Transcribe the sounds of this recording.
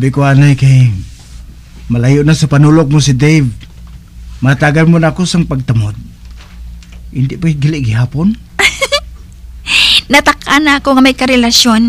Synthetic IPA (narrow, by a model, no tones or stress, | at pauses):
bɪkoʔanajkɐj | mɐlajʊʔnasɐpɐnuːlok̚mosɪd̪ejv | mɐat̪aːɡanmonaːkosɐŋpɐɡ̚t̪ɐmod̪̚ | hɪnd̪ɪʔpaɡɪlɪʔɡɪɦaːpon | nɐt̪ɐkʔanakoŋɐmɐjkɐɾɛlɐsjon